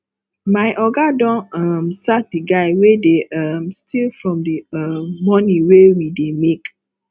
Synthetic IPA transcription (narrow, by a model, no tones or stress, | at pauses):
maɪʔɔɡadɔ̃nɔmsat̚diɡaɪwedeʔamstilfɹɔ̃mdiʌmːɔniwewidemek